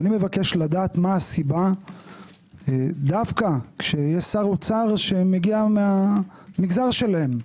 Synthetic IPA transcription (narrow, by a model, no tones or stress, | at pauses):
nime̞vake̞ʃlad̪aːt̪maːsiba | d̪afkakʃejesaʁot͡saʁʃe̞meɡiamea | miɡzaʁʃe̞lahem